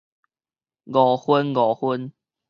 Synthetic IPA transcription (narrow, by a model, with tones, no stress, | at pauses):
ɡɔ˨˩hwu˦nɡɔ˨˩hu˦n